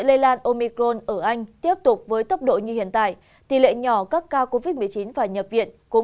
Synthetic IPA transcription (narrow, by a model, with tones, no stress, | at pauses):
jlə˧jlaː˧nʔo˧mi˧kɾo˧nʔəː˧˩ʔa˧jŋ̟t̪i˦˥əp̚t̪ʊ˨˩k͡p̚vəː˨˦jt̪ə˦˥k͡p̚ɗo̰˧˨ɲɨ˧hḭ˧˨ənt̪a̰ː˧˨j | t̪i˧˨˩lḛ˧˨ɲɔ˧˩kaː˦˥kːaː˧wko˧vi˦˥t̚mɨ˨˩əjt͡ɕi˨˦nvaː˨˩ɲə˨˩p̚vḭ˧˨ənkʊ̰˧˥